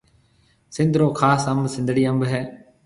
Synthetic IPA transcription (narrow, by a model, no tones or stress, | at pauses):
sɪ̃nd̪ɾoːkʰaːsəmbsɪ̃nd̪ʱɽiːəmbɦɛː